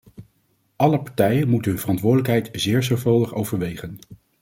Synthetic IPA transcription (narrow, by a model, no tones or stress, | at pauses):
ɑləpɑɹtɛjənmutənɦɵnvərɑntʋʊːɹdələkɦɛjtzɪːɹsofəlˠdəχowvəɹʋejχən